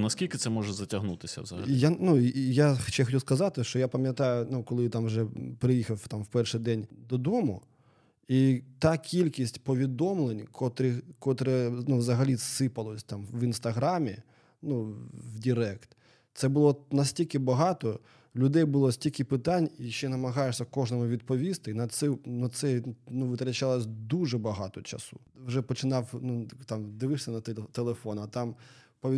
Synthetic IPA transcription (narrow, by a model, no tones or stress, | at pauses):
nɐskʲilʲkɪt̪sɛmɔʒɛzɐtʲɐɦnut̪ɪsʲɐ̰wzɐ̰ɐ̰janujaxɔ̥t͡ʃɛxɔt͡ʃuskɐzɑt̪ɪʃt͡ʃɔjapɐmʲjɐt̪ɑjʊnukɔlˠɪt̪ɑmwʒɛpɾɪjixɐwt̪ɑmwpɛrʃɪjd̪ɛnʲd̪ɔd̪ɔmʊ | it̪ɑkʲilʲkʲisʲtʲpɔʋʲid̪ɔmlˠenʲkʰɔt̪ɾɪkɔt̪ɾɛnuʋzɐɦɐlʲisɪpɐlˠɔsʲt̪ɑmʋinst̪ɐɦɾamʲi | nuwdʲiɾɛkt̪ | t̪sɛbʊlˠɔnɐsʲtʲilʲkɪbɐɦɑt̪ɔ | lʲʊd̪ɛjbʊlˠɔsʲtʲilʲkɪpɪt̪anʲiʃt͡ʃɛnɐmɐɦɑjeʂsʲɐkɔʐnɔmʊʋʲid̪̚pɔʋʲist̪ɪnɐt̪sɛnɔt̪sɛnuʋɪt̪ɾɐt͡ʃalˠɔsʲd̪uʐɛbɐɦɑt̪ɔt͡ʃɐ̰su̥ | ʋʒɛpɔt͡ʃɪnɑwnut̪ɑmd̪ɪʋɪʂsʲɐnɐt̪elˠefɔnʊɐt̪ɑmpɔ